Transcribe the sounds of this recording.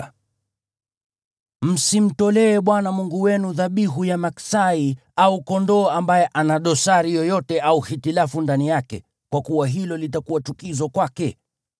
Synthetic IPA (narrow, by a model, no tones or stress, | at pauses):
m̩sim̩tɔlɛːɓwanamuŋɡuwɛnuðaɓiɦujamaksai | aukɔndɔːambajɛʔanaɗɔsaɾijɔjɔtɛʔauhitilafundanijakɛ̰ | kwakuwaɦilɔlit̬akuwat͡ʃukizɔkwakɛ